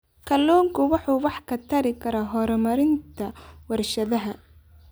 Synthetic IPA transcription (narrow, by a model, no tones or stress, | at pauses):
kʰɐlːɔːŋkʰʊwɑħuːwɑħkʰɐt̪ʰɐɾɪkʰɐɾɐːɦɔɾmɐɾɪnt̪ʰɐwɐrʃɐðɐɦɐ